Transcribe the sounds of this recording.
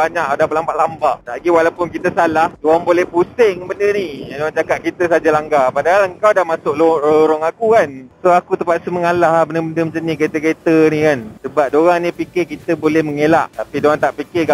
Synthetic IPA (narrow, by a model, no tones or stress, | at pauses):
aɲãkadahbəlambaʔlambaʔd̪aʔɡiwalawpʊnkit̪əsalahdoaŋbolɛhpusɪŋbəndəniadoad͡ʒakaʔ̪̚kit̪əsad͡ʒalaŋɡapadaɦaləŋkawdahmasʊʔlololoɾɔŋakukansoakut̪əpaʔsəməŋalaɦbəndəbəndəmənt͡ʃaniket̪əket̪ənikansəbat̚doɾaŋnĩpikɪkit̪əbolɛhməŋela̰ʔt̪apidoaŋt̪aʔpikɪɡa